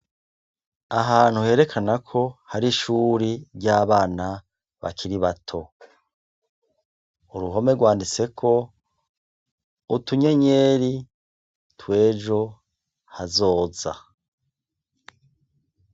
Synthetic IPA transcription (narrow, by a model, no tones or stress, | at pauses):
aɦaːn̥huhe̞ːɾe̞kʰanakʰo̞haɾiʃuːɾiɾɟaːβaːna | βa̰kʰiɾiβatʰo̞ | uɾuɦo̞me̞ɾɡwaːndit͡se̞kʰo̞ | utuɲe̞ɲe̞ːɾi | twe̞ːʒo̞ | hazo̞ːza̰